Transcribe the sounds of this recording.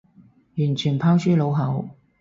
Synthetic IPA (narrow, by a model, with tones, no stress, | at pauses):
jy˨˩nt͡ʃʰyː˨˩npʰaː˥wsyː˥lo˨˥wɦɐ˨˥w